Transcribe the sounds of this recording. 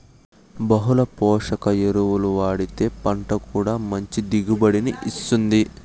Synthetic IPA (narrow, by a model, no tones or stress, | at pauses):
bɐɦulɐpɔːʂɐkɐjeɾuwuluʋaːɽit̪e̞ːpɐɳʈɐkuːɽaːmɐɲt͡ʃid̪iɡubɐɽiniʔist̪und̪i